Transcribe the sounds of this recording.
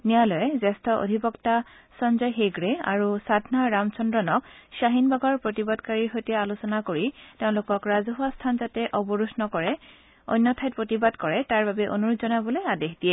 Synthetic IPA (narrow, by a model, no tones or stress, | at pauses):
nijalɔjɛzɛstʰɔʔo̰dʱibɔkta | sɔnzɔjɦeɡɹea̰ɹusadʱnaɹamt͡ʃɔndɹɔnɔksaɦinbaɡɔɹpɹotibadkaɹiɹxojtɛalosɔnakoɹiteʊ̃lʊkɔkɹazuɦastʰanzatɛʔɔbɔɹusnɔkɔɹɛ | o̰jnːɔtʰajt̚pɹotibadkɔɹɛtaɹbabɛʔo̰nuɹutzɔnabɔlojadexdiɛ